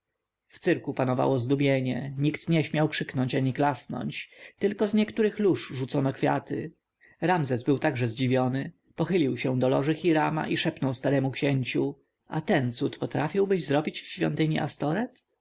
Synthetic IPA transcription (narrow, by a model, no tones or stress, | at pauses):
ft̪sɘɾkupanɔva̰wɔzd̪ubʲjeɲɛɲikt̪ɲɛɕmʲjawkʂɘknɔɲt͡ɕaɲiklasnɔ̰ɲt͡ɕt̪ɘlkɔzɲɛkt̪uɾɘxluʂʐut̪sɔnɔkfʲja̰t̪ɘ̰ | ɾamzɛzbɘwt̪aɡʐɛzd͡ʑivʲjɔnɘ | pɔxɘlʲiwɕɛw̃d̪ɔlɔ̰ʐɘxʲiɾama̰ʔiʂɛpnɔwst̪aɾɛmukɕɛɲt͡ɕu | a̰t̪ɛnt̪sut̪pɔt̪ɾafʲiwbɘʑzɾɔbʲit͡ɕfɕfʲjɔ̰nt̪ɘɲiʔast̪ɔɾɛt̪